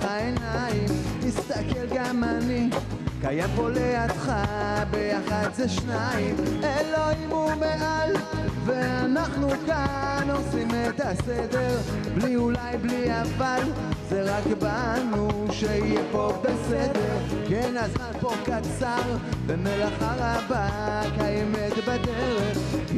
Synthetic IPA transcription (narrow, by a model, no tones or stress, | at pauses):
aenaimtist̪akelɡamani | kajambo̞leatχabejaχad̪zeʃnaimeloimumeʔal | ve̞anaχnukano̞simet̪ased̪eʁ | bliulajbliaval | zeʁakbanuʃeijefo̞vbesed̪eʁkenazmanpo̞kat͡saʁvemelaχaʁabakajɛmet̪bad̪eʁeχ